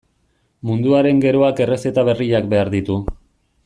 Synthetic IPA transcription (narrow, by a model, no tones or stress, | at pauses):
mund̪uaɾe̞ŋɡe̞ɾo̞ake̞re̞se̞t̪aβ̞e̞riʎakbe̞aɾðit̪u